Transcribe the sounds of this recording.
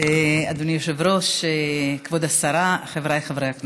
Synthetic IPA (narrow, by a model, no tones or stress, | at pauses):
ead̪unijoʃevɾoʃekvod̪asaɾaχevɾajχavɾejakn